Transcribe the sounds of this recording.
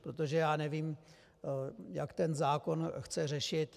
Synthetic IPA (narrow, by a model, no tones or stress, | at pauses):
pɾo̞t̪o̞ʒɛjaːnɛviːm | jakt̪ɛnzaːko̞nxt͡sɛr̝ɛʃɪt̪